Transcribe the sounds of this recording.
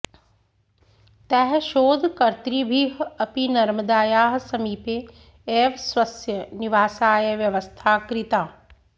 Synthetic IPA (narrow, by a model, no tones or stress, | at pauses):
t̪ɛɦʃoːd̪ʱkɐɾt̪ɾiːbʱiːɦɐpinɐɾməd̪aːjaːɦsɐmiːpeː | eːʋsʋɐsjɐniʋaːsaːjɐʋjɐʋəst̪ʰaːkɾit̪aː